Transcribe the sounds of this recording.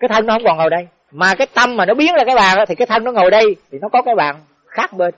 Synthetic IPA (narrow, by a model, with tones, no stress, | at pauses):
kaː˨˦jt̪ʰə˧ŋnɔ˨˦hə˧wŋ͡mkɔ˨˩nŋo˨˩jɗə˧j | maː˨˩kaː˨˦jt̪ə˧mːmaː˨˩nɔ˨˦ɓi˨˦ənzaː˧˩kaː˨˦jɓaː˨˩nʔaː˧˥i˨kaː˨˦jt̪ʰə˧ŋnɔ˨˦ŋo˨˩jɗə˧jt̪ʰi˨˩nɔ˨˦kɔ˨˦kaː˨˦jɓa̰ː˧˨n | xaː˦˥k̚ɓe˧n